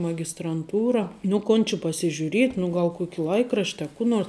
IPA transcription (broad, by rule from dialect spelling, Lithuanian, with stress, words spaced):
mɐɡʲɪstrɐnˈtuːrɐ nʊ ˈkoːn t͡ʃʲɪ pɐsʲɪʒʲʊˈrʲiɛtʲ nʊ ˈɡɐlˠ ˈkuɔkʲɪ ˈlˠɐɪkrɐʃʲtʲ ɐ ˈkuː noːrs